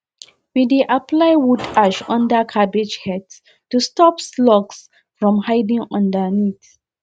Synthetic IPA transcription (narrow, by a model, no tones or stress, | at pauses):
wideʔapʰlaɪwudaʃɔ̃ndakʰabed͡ʒhɛd | tustɔpslɔɡs | fɹɔ̃mhaɪdĩŋɔ̃ndanit